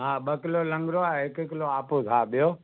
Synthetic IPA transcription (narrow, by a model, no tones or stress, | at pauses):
ɦãːɓəkɪlolə̃ŋɡɾoaɪkɪk̬loaːpozaːɓɪjoː